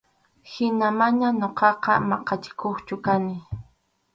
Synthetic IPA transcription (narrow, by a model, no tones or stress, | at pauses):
hɪnamaɲaɲoqɑqɑ̰mɑqɑt͡ʃɪ̥kʰoχt͡ʃʊkanɪ